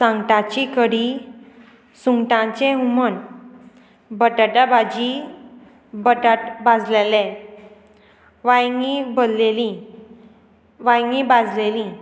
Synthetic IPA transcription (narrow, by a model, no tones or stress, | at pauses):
sãŋɡʈãt͡ɕikəɽi | suŋɡʈãt͡ɕẽɦumən | bəʈaʈabad͡ʑi | bəʈaʈbad͡zlelɛ̃ | ʋajŋibəlːelĩ | ʋajŋɡibad͡zlelĩ